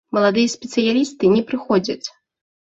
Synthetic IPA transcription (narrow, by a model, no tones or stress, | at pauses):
mɐlˠad̪ɨjɐsʲpʲɛt̪sɨjalʲist̪ɨnʲɛpɾɨxɔd͡zʲɐt͡sʲ